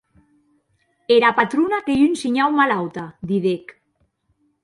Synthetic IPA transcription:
eɾapat̪ɾunakeynsiɲawmalawt̪ad̪iðek

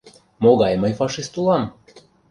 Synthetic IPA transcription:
moɣɑjməjfɑʃist̪ulɑm

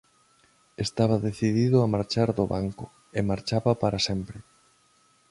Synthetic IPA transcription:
est̪aβɐðeθiðiðʊamaɾt͡ʃaɾðoβaŋkʊ | emaɾt͡ʃaβɐpaɾasɛmpɾɪ

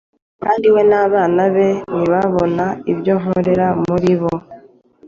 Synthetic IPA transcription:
kaːndiwe̞naːβaːnaβe̞niβaβo̞naiβjo̞ːŋ̥oɾeɾamuɾiβo̞

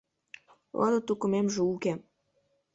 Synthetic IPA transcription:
o̰lɤ̆t̪ukŭmemʒeuke

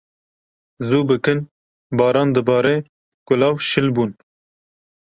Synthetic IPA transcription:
zuːbɨkɨn | bɑːɾɑːnd̪ɨbɑːɾe | kʊlɑːvʃɨlbuːn

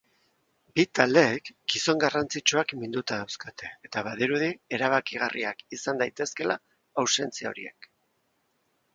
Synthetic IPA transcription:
bit̪ald̪e̞ːkɡiso̞ŋɡarant͡sit͡ʃuakmind̪ut̪aːwskat̪e̞ːt̪aβaðiɾuð̞ie̞ɾaβ̞akiɣ̞arʔḭakisand̪ajt̪e̞ske̞la | awse̞nt͡siao̞̰ɾḭe̞̰k

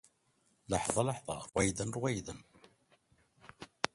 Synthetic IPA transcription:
lɑħðˤɑləħðˤɑ̰ɾwæjðənɾwæjðən

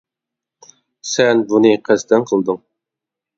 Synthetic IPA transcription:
sɛnbunɨqʰæst̪ɛnqʰəlˠd̪ɨŋ

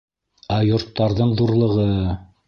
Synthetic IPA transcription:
æjŏɾt̪ːɑɾðɤɴðuɾlˠɤ̆ʁɤ

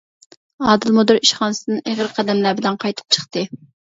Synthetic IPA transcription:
ɑːd̪ɨlˠmud̪ɨɾiʃχɑːnɨsɨnɨŋʔeʁəɾqʰɑd̪ɛmlæbɪlɛnqʰɑjt̪ʰʊ̥q̚t͡ʃʰə̥χt̪ɨ

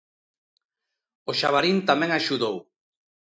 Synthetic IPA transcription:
oʃaβ̞aɾint̪amɛ̃ŋaʃuðow

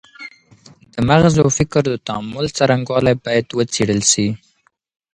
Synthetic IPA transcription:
d̪̥əmaɣzawfɪkɾd̪ət̪aamʊlt͡saɾaŋɡwɑlajbɑjad̪wət͡seɽəlʃi

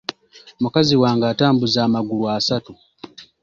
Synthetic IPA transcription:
mukaziwaːŋɡaːtaːmbuzaːmaɡuluasatu

